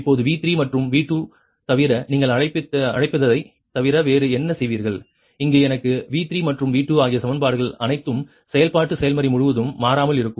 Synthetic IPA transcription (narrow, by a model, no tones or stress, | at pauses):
pːoːðɯʋiːt̪ɾimɐʈrɯmʋiːʈːu | t̪ɐʋɪɾɐniːŋɡɐɭɐɻɐɪpːɪt̪ːɐɐ̰ɻɐɪpːɐðɐðɐɪ | t̪ɐʋɪɾɐʋeːɾɯɛnːɐsɛjʋiːɾɣɐɭ | ɪŋɡeːɛnɐkːɯʋiːt̪ɾimɐʈrɯmʋiːʈːɯaːɣɪjɐsɐmɐnbaːɽɯɣɐɭɐnɐɪt̪ːɯm | sɛjɐlpaːʈːɯsɛjɐlmɐɾimʊɻʊʋɐðɯmːaːɾaːmɐlɪɾɯkːɯm